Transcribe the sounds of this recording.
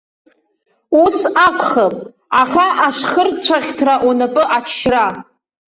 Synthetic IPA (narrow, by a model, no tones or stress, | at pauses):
usakʷʰʼχapʼ | aχʲaʔaʂχərt͡ɕʷʰaχʲtʰraʔunapʼɨʔat͡ʃʰʃra